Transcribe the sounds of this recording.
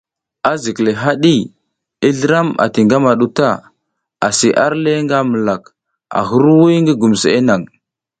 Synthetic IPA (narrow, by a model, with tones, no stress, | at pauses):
a˦zi˨kle˨ɦa˦ɗi˦ | i˦ɮə˦ɾa˦ma̰˨ti˨ŋɡa˦ma˨ɗu˦ta˦ | a˨si˨ʔa˦ɾle˦ŋɡa˦mə˨la˨k | a̰˨ɦu˦ɾwu˦jŋɡə˦ɡu˨m˨se˦na˨ŋ